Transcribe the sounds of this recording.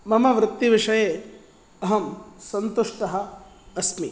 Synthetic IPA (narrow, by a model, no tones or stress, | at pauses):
mɐmɐʋɾɪt̪ːiʋiʂɐjeː | ɐɦɐmsɐnt̪uʂʈɐɦɐ̆ː | smi